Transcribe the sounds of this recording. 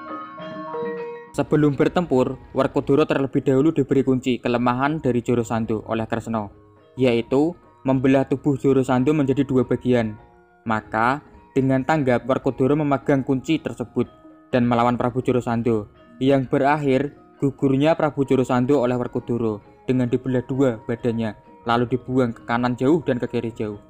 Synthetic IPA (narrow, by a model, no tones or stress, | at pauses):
səb̥əlʊmbərt̪əmpʊrwərkod̪̥o̤ɾɔt̪ərləb̥i̤hd̥a̤ɦulud̥ə̤b̥ɾekuɲt͡ʃikələmaɦand̥aɾi̥d͡ʒ̥o̤ɾosand̪oʔo̰lɛhkərsənɔ | jait̪u | məmbəlaht̪ub̥ʊhd͡ʒ̥oɾosand̪oməɲd͡ʒadid̪uwab̥a̤ɡ̥ian | makad̥əŋant̪aŋɡap̚wərkud̪̥o̤ɾoməmaɡ̥aŋkuɲt͡ʃit̪ərsəb̥ʊt̪̚d̥anməlawanpɾab̥ṳ̥d͡ʒ̥oɾosand̪o | jaŋb̥əɾaɦɪr | ɡ̥uɡ̥urɲapɾab̥ṳd͡ʒoɾosand̪oolɛhwərkud̪̥oɾo | d̥əŋandib̥əlahd̪̥uab̥ad̥a̤ɲa | lalud̥ib̥uaŋkə̥kanand͡ʒ̥a̤ʊhd̥ankəkeɾe̥d͡ʒ̥a̤ʊh